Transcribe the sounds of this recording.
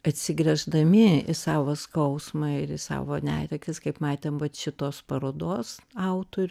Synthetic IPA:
ɐt̪ʲsʲɪɡɾʲɛʒd̪ɐmʲɪɪsɑːʋoskɐʊsmɑɪɾɪsɑ̰ːʋoːnʲæ̰ːtʲɛkʲtʲɪskɐɪpmɑːt̪ʲeːmʋɐt̪ʃʲɪt̪oːspɐɾoːd̪oːsɐʊt̪oːɾʲʊ

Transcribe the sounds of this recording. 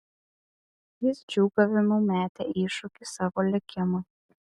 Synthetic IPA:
jɪsd͡ʒʲuːɡɐʋʲɪmuːmʲæːt̪ʲeːiːʃʊkʲɪsɑːʋoːlʲɪkʲɪmɐ

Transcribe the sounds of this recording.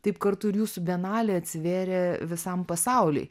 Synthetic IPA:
t̪ɐɪpkɐɾt̪ʊɪɾjuːsʊbʲɛnɑːlʲeɐt̪ʲsʲɪʋʲeːɾʲɛʋʲɪsɐmpɐsɑʊlʲɛ̰ɪ

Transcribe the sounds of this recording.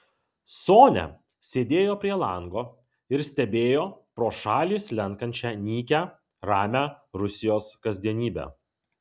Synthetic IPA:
soːnʲɛ̰ | sʲeːd̪ʲeːjoːpʲɾʲiɛlˠɑŋɡoː | ɪɾsʲt̪ʲɛbʲeːjoːpɾoːʃɑːlʲiːslʲɛŋkɐnʲt͡ʃʲænʲiːkʲæ | ɾɑːmʲæːɾʊsʲɪjoːskɐzʲd̪ʲiɛnʲiːbʲæ̰ː

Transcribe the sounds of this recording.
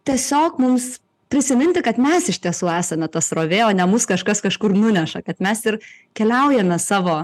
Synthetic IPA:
t̪ʲiɛsʲoːkmʊms | pʲɾʲɪsʲɪmʲɪnʲt̪ʲɪkɐt̪mʲɛsɪʃʲt̪ʲiɛsuːæːsɐmʲɛt̪ɐsroːʋʲeːoːnʲɛmʊskɐʃkɐskɐʃkʊrnʊnʲɛʃɐkɐt̪mʲɛsɪrkʲɛlʲɛʊjɛmʲɛsɑːʋoː

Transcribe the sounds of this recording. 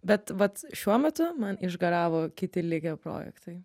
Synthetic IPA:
bʲɛt̪ʋɐt̪ʃʲuɔmʲɛt̪ʊmɐnɪʒɡɐɾɑːʋoːkʲɪt̪ʲɪlʲɪɡʲoːpɾo̰ːjɛ̰kt̪ɐɪ

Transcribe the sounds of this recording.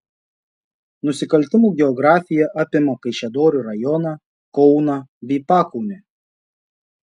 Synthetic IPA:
nʊsʲɪkɐlʲt̪ʲɪmuːˑɡʲɛɔɡɾɑːfʲɪjɛʔɑːpʲɪmɐkɐɪʃʲɛd̪oːɾʲuɾɐjɔnɐ | kɔʊnɐbʲɛːpɑːkɔʊnʲe

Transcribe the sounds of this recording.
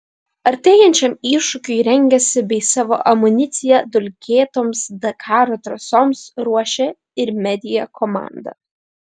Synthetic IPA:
ɐɾʲt̪ʲeːjɛnʲt͡ʃʲɛmiːʃʊkʲʊɪɾʲɛŋʲɡʲɛsʲɪbʲɛɪsɑːʋo̰ːʔɐmʊnʲɪt̪sʲɪjɛd̪ʊlʲkʲeːt̪oːmsd̪ɐkʰɑːɾoːt̪ɾɐsoːmsɾuɔʃʲɛ | ɪɾmʲɛd̪ʲɪjɛkʰɔmɑ̰ːˑnd̪ɐ̰

